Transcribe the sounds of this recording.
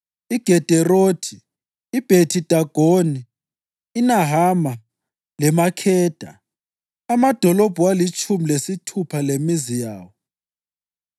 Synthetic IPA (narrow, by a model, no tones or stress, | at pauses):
iɡ̥ʱɛd̥ʱɛroːtʰiː | b̥ʱetʰid̥ʱaɡ̥ʱoniː | naɦama | lɛmakʰɛːd̥ʱa̰ | amad̥ʱɔlob̥ʱuwalit͡ʃʼʰumilesitʰupʰalemizijaːwɔ